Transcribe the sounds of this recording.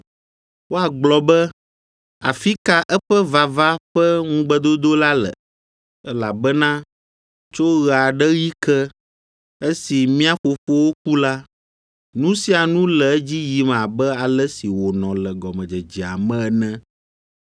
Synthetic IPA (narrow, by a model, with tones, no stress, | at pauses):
wo˦a˨ɡ͡blɔ˨bɛ˦ | a̰˨fi˦ka˦ʔɛ˦ɸɛ˦va˨va˦ɸɛ˦ŋũ˦ɡ͡bɛ˦d̪o˦d̪o˦la˦lɛ̰˨ | ɛ˦la˨bɛ˦nã˦ | t͡ʃo˦ɣɛ˨a˨ɖɛ˦ɣi˦kɛ˦ | e˦si˨mĩ˦a˦ɸo˨fo˦wo˦k̚u˦la˦ | nũ˦si˦a˨nũ˦lɛ˨˦d͡ʑi˦ji˨m˨a˨bɛ˦a˨lɛ˦si˨wo˨nɔ̃˨lɛ˨ɡɔ˨mɛ̃˨d͡ʒɛ˨d͡ʒi˨a̰˨mɛ̃˦ɛ˨nɛ̃˦